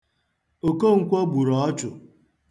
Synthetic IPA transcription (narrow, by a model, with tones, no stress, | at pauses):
o˨ko˦˨ŋ̩˨kʷɔ˦ɡ͡bu˨ɾɔ˨ɔ˦t͡ʃʊ˨